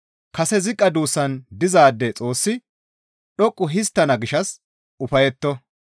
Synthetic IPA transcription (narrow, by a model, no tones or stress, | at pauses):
kɐsɛzɪkʼːɐd̪uːsːɐnd̪ɪzaːd̪ːɛt͡sʼo̞ːsːɪ | ɗɔkʼːʊɦɪs̬t̪ːɐnɐɡɪʃɐs | ʊfɐjɛt̪ːɔ